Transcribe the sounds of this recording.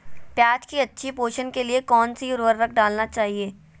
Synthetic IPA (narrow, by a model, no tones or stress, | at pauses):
pjaːt͡ʃkiɐtːʃʰipoːʃənkeliekɔːnsiʊɾʋəɾːɐkʰɖaːlnat͡ʃaːɦieː